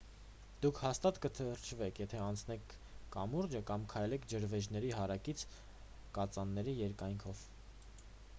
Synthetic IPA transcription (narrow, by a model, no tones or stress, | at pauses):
d̪̥ukʰhɑst̪ɑt̪kət̪ʰəɾt͡ʃʰvɛkʰjɛt̪ʰɛɑnt͡sʰnɛkʰː | ɑmuɾd͡ʒəkɑmkʰɑjlɛkʰd͡ʒəɾvɛʒnɛɾiɦɑɾɑkit͡sʰ | kɑt͡sɑnːɛɾijɛɾkɑjŋkʰɔv